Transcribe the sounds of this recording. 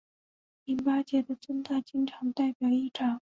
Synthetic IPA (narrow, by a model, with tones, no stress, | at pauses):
i˧˥npa˥t͡ɕjɛ˧˥d̪ə˨ʈ͡ʂə˥˧ŋt̪a˥˧t͡ɕi˥˧nʈ͡ʂʰɑ˧˥ŋt̪a˥˩ɪpjɑ˨˩ʊi˥˩ʈ͡ʂʰɑ˨˩˦ŋ